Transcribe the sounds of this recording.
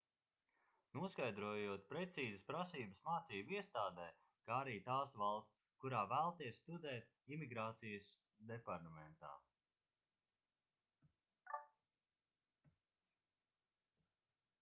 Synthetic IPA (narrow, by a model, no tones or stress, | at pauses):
nuɔskajd̪ɾuɔjuɔt̪̚pɾɛt̪siːzəspɾasiːbəsmaːt̪siːbiɛst̪aːd̪ɛː | kaːaɾiːt̪aːsvalˠs | kuɾaːvæːlˠt̪iɛsst̪ud̪ɛːt̪̚ | imiɡɾaːt̪sijəs | d̪ɛpaɾt̪amɛnt̪a̰ː